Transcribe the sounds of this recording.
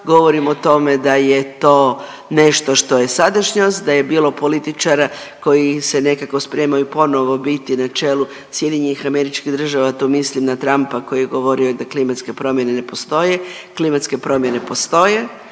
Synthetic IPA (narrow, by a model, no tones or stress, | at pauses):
ɡo̞ʋo̞ɾimot̪o̞me̞d̪aje̞t̪o̞ː | ne̞ʃt̪o̞ʃt̪o̞je̞sad̪aʃɲosd̪aje̞biːlˠo̞po̞lit̪it͡ʃaɾa | ko̞jise̞ne̞kako̞spɾe̞majupo̞no̞ʋo̞bit̪inat͡ʃe̞lu | sje̞d̪iɲenixameɾit͡ʃkiɣd̪r̩ʒaʋat̪oːmislimnat̪ɾampako̞jijeɡo̞ʋo̞ɾiod̪aklimat̪ske̞pɾo̞mje̞ne̞ne̞post̪o̞je̞klimat̪ske̞pɾo̞mje̞ne̞po̞st̪o̞je̞